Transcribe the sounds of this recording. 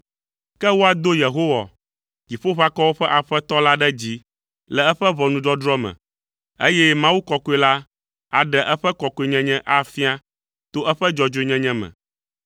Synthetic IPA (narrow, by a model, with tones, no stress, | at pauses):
kɛ˦wo˦a˨d̪o˦je˨ɦo˦wa̰˨ | d͡ʑi˨ɸo˦ɸa˦kɔ˦wo˦ɸɛ˦ʔa˨ɸɛ˦t̪ɔ˦la˦ɖɛ˦d͡ʑi˦ | lɛ˨ɛ˦ɸɛ˦βɔ˨nũ˨ɖɔ˦d̪ɾɔ˦mɛ̰̃˨ | e˦jɛ˦mã˦wu˦kɔ˨ko˦e˨la˦ | a˨ɖɛ˨ʔɛ˦ɸɛ˦kɔ˨ko˨e˨ɲɛ̃˦ɲɛ̃˦ʔa˦fi˦a˦ | t̪o˦ʔɛ˦ɸɛ˦d͡ʒɔ˨d͡ʒo˨˦ɲɛ̃˦ɲɛ̃˦mɛ̰̃˨